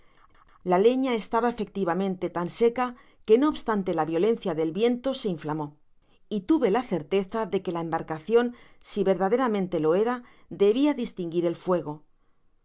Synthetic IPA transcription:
lale̞ɲae̞st̪aβaefe̞k̚t̪iβamẽ̞nt̪e̞t̪anse̞ka | ke̞no̞ːβst̪ant̪e̞laβjo̞le̞nθjaðe̞lβje̞nt̪o̞se̞iɱflamo̞ | it̪uβe̞laθe̞ɾt̪e̞θaðe̞ke̞lae̞mbaɾkaθjo̞n | siβe̞ɾð̞að̞e̞ɾamẽnt̪e̞lo̞e̞ɾa | d̪e̞β̞iaðist̪iŋɡiɾe̞lfwe̞ɣ̞o̞

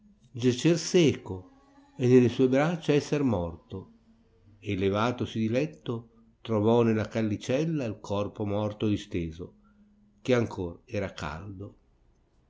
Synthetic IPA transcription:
d͡ʒat͡ʃːersɛːko | enːelesuːebɾat͡ʃːaɛsːermɔrt̪o | elevaːt̪osid̪ilɛt̪ːo | t̪ɾovɔnelːakalːit͡ʃɛlːailkʰɔrpomɔrt̪od̪ist̪eːzo | k̟eaŋkʰoːrɛːɾaka̰ld̪o

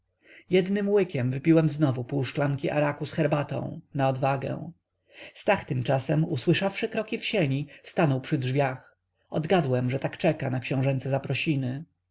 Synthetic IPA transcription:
jɛd̪nɘmwɘkʲɛmvɘpʲiwɛmznɔvupuwʂklaŋkʲiʔa̰ɾakusxɛɾbat̪ɔ̰̃w̃naɔd̪vaɡɛ̰w̃ | st̪axt̪ɘmt͡ʂasɛmuswɘʂafʂɘkɾɔkʲifɕeɲist̪anɔwpʂɘdʐvʲjax | ɔd̪ɡad̪wɛmʐɛt̪akt͡ʂɛkanakɕɔ̃w̃ʐɛnt̪sɛzapɾɔɕinɘ

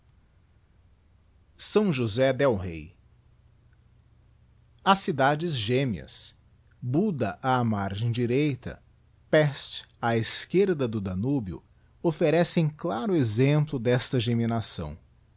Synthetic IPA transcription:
sɐ̃w̃ʒuzɛd̪ɛwɦḛj | ɐsid̪ad͡ʒɪzʒẽmiɐ̰s | bud̪ɐʔaːmaɾʒẽj̃d͡ʒiɾejt̪ɐ̰ | pɛst͡ʃaeskeɾd̪ɐd̪ʊd̪anubjʊ̰ | ofeɾɛsẽj̃klaɾʊezẽmplʊd̪ɛst̪ɐʒeminasɐ̰̃w̃

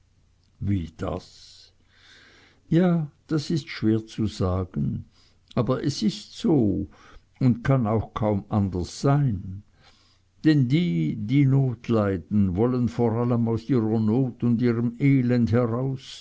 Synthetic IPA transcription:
viːd̥a̰s | jaːd̥asɪstʃv̥eːɐt͡suzaːɡ̥ən | ʔaːbɐʔɛsɪstz̥oː | ʊntkʰanaʊxkʰaʊmandɐsz̥aɪn | d̥ɛndiːdiːnoːtʰlaɪdn̩vɔlənfoːʁaləmaʊsiːʁənoːtʊndiːʁəmeːlɛndhɛʁaʊs

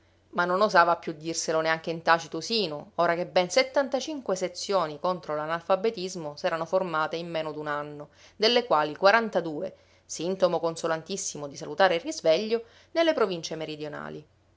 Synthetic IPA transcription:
manːonozaːvapːjud̪ːirseloneaŋkeint̪aːt͡ʃit̪osiːnooːɾakebːenset̪ːant̪at͡ʃiŋkweset̪sːjoːnikont̪ɾolanalfabet̪izmosɛːɾanoformaːt̪eimːeːnod̪unanːo | d̪elːekwaːlikwaɾant̪ad̪uːḛ | sint̪omokonsolant̪isːimod̪isalut̪aːɾeilrːizveʎːo | nelːepɾovint͡ʃemeɾid̪jona̰ːli

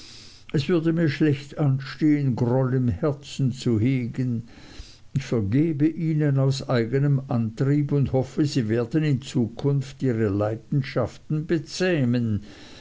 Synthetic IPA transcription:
ʔɛsv̥ʏɐdəmiːɐʃlɛçtʔanʃteːənɡʁɔlɪmhɛɐt͡sn̩t͡suheːɡən | ɪçfɛɐɡeːbəʔiːnənaʊsʔaɪɡənəmʔantʁ̥iːpʊnthɔfəziːveːɐdənɪnt͡suːkʰʊnftiːʁəlaɪdn̩ʃaftn̩bət͡sɛːmən

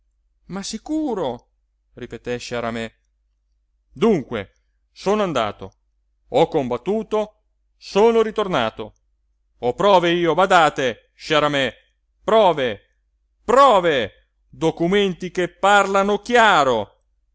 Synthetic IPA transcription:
masikuːɾo | ripet̪ɛʃaɾamɛ | d̪uŋkwḛ | soːnoand̪a̰ːt̪o̰ | ɔkːombat̪ːuːt̪o | soːnoɾit̪ornaːt̪o̰ | opɾɔːveiːobad̪aːt̪e | ʃaɾamɛ | pɾɔːve | pɾɔːve | d̪okument̪ikepːarlanok̟jaːɾo

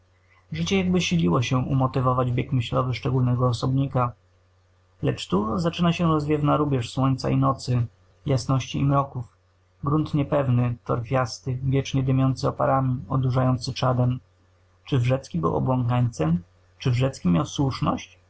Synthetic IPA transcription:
ʐɘt͡ɕɛjaɡbɘɕilʲiwɔɕɛʔṵmɔt̪ɘvɔvad͡ʑbʲjɛkmɘɕlɔvɘʂt͡ʂɛɡulnɛɡɔːsɔbɲika | lɛt͡ʂt̪uzat͡ʂɘnaɕɛɾɔzvʲjɛvnaɾubʲjɛʂswɔɲʲt̪sa̰inɔt̪sɘ | jasnɔɕt͡ɕiːmɾɔkuf | ɡɾunt̪ɲɛpɛvnɘt̪ɔ̰ɾfʲjast̪ɘvʲjɛt͡ʂɲɛd̪ɘmʲjɔnt̪sɘɔpaɾamʲiɔd̪uʐajɔnt̪sɘt͡ʂad̪ɛm | t͡ʂɘvʐɛt̪skʲibɘ̰wɔ̰bwɔŋkaɲt̪sɛm | t͡ʂɘvʐɛt̪skʲimʲjawswuʂnɔɕt͡ɕ

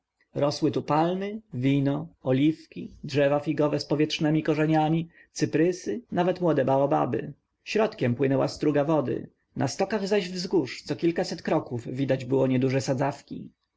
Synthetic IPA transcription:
ɾɔswɘt̪upalmɘvʲinɔɔlʲifkʲidʐɛvafʲiɡɔvɛspɔvʲjɛtʂnɛmʲikɔʐɛɲamʲi | t̪sɘpɾɘsɘnavɛt̪mwɔd̪ɛbaɔba̰bɘ̰ | ɕɾɔt̪kʲɛmpwɘnɛwa̰st̪ɾuɡavɔd̪ɘ̰ | nʔa̰st̪ɔkaɣzaʑvzɡuʂt̪sɔkʲilkasɛt̪kɾɔkuvːʲid̪ad͡ʑbɘwɔɲɛd̪uʐɛsad̪zafkʲḭ

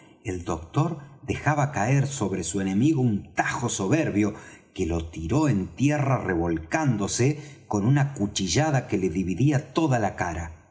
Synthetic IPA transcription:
e̞ld̪o̞k̚t̪o̞ɾd̪e̞xaβakae̞ɾso̞βɾe̞sue̞ne̞miɣo̞unt̪axo̞so̞βeɾβjo̞ke̞lo̞t̪iɾo̞e̞nt̪jerareβo̞lkand̪o̞seko̞nunakut͡ʃiʒaðake̞le̞ðiβiðiat̪o̞ðalakaɾa

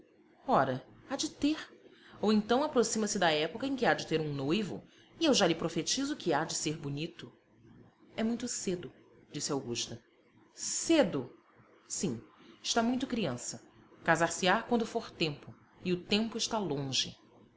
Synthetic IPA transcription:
ɔɾɐ | ad͡ʒɪt̪eɾ | owẽnt̪ɐ̃w̃apɾosĩmɐsɪd̪ɐɛpokɐẽkɪad͡ʒɪt̪eɾũnojvʊ̰ | ɪewʒalɪpɾofet͡ʃizʊkɪad͡ʒɪseɾbʊnit̪ʊ | ɛmũj̃t̪ʊsed̪ʊ | d͡ʒisɪawɡuʃt̪ɐ | sed̪ʊ | sĩɪʃt̪amũj̃t̪ʊkɾiɐ̃sɐkazaɾsɪakwɐ̃nd̪ʊfoɾt̪ẽmpʊ | ɪʊt̪ẽmpʊɪʃt̪alõʒɪ

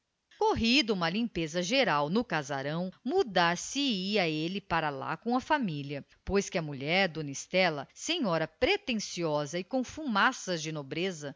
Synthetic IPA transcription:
koɦid̪ʊũmɐlĩmpezɐʒeɾawnʊkaza̰ɾɐ̃w̃mud̪aɾsɪiɐelɪpaɾɐla̰kõw̃ɐfamiliɐ | pojskɪɐmuʎɛɾd̪onist̪ɛlɐ̰sẽɲɔɾɐpɾet̪ẽsiɔzɐɪkõw̃fumasɐzd͡ʒɪnobɾezɐ

